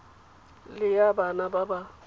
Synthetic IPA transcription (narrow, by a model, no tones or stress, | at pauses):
lɪjabanababa